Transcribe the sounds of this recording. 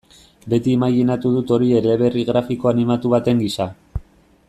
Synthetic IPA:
be̞t̪iemajɣinat̪uð̞ut̪o̞ɾie̞le̞βe̞riɣɾafiko̞animat̪uβ̞at̪e̞ŋɡisa

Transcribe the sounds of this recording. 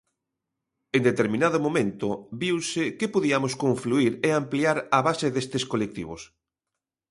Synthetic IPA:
end̪et̪eɾmĩnaðʊmomẽnt̪ʊbiwsɪkepoðiamoskoɱfluiɾeampliaɾaβaseðest̪ɪskolek̚t̪ḭβ̞os

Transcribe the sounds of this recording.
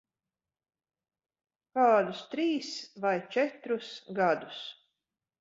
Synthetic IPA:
kaːd̪ust̪ɾiːsvajt͡ʃɛt̪ɾusɡad̪us

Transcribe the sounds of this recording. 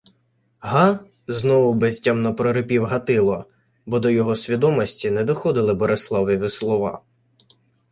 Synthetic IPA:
ɦɑ | znɔʋʊbesʲtʲamnɐpɾɔɾɪpʲiwɦɐt̪ɪlˠɔ | bɔd̪ɔjɔɦɔsʲʋʲid̪ɔmɔsʲtʲinɛd̪ɔxɔd̪ɪlˠɪbɔɾeslˠɑwjiʋɪslˠɔʋɑ̰

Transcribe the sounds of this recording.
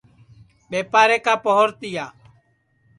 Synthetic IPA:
ɓeːpaːɾeːkaːpəɦoɾt̪ɪjaː

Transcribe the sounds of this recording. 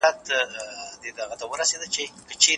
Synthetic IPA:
at̪ | d̪ed̪aɣat̪awəɾased̪ət͡ʃekət͡ʃe

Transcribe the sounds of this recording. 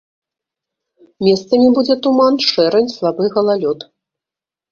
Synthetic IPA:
mʲɛst̪sɐmʲibud͡zʲɛt̪umanʂɛɾɛnʲslˠabɨɣɐlˠalʲɔt̪

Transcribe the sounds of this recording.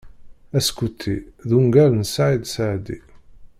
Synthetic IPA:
æskut̪ʰːiðuŋɡæɾənsʕid̪saʕd̪ḭ

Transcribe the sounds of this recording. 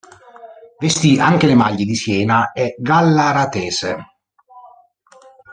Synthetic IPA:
vest̪iaŋk̟elɪmaʎːɪd̪isjɛːnaɛɡalːaɾat̪ɛːse

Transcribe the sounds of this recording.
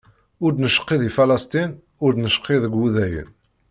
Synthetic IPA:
ʊɾd̪nəʃə̥qːiðifælɑst̪in | ʊɾd̪nəʃqːiðəɡːuðæjə̰n

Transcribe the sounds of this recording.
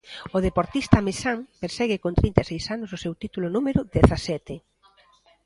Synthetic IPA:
oð̞epoɾt̪ist̪ɐmeʃaŋpeɾsɛɣɪkont̪ɾint̪esejsanʊsosewt̪it̪ulʊnumeɾʊðeθasɛt̪e

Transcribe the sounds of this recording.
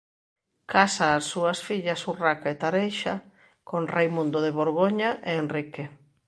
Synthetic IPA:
kasaːsːuasfiʎasurakaet̪aɾejʃa | konrejmũnd̪oðeβ̞oɾɣoɲaʔeːnrike

